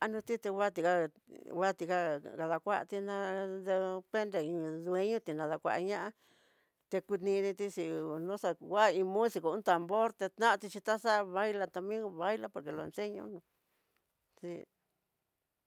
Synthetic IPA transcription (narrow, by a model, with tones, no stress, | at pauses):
a˧nũ˧t̪i˦t̪e˧wʷa˦t̪i˧ka˧ | wa˦˨t̪i˧ka˧ka˧ða˧kʷa˦ʔt̪i˧nã˧ðe˧pe˦nd̪e˧˨ĩ˧ðu˧e˦ɲõ˦t̪i˧nã˧ða˧kʷa̰˧ʔɲã˦ʔa˦ | t̪e˧ku˧t̪nĩ˧nĩ˧t̪i˦ʂi˧nũ˦sa˧wa˦˨˧ĩ˧mũ˦si˧ko˧ũ˦t̪a˨mbo˦ɾt̪e˧t̪nã˦˧t̪i˧t͡ʃi˧t̪a˦sa˦˧βa˦jla˧t̪a˧mĩ˦βa˦jla˧po˧˨ɾke˧˨lo˧ḛ˧nse˦ɲõ̰˧nũ˧ | si˧